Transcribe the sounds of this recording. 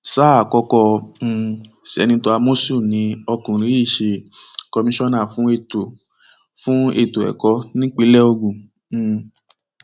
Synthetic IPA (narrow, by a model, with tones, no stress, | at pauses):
saː˦a˨kɔ˧˦kɔ̃˧ | sɛ̰˨nĩ˧tɔ˧a˧mo˦su˦˨nĩ˨˦ɔ˧kũ˨ɾĩ˨˦i˦˨ʃe˧kɔ˧mĩ˦ʃɔ˦nã˦˨fũ˨˦e˦˧˨to˨ | fũ˦e˧˨to˨ɛ̰˨kɔ˧˦nĩ˦k͡pi˨˦lɛ˦o˧ɡũ˨˦˧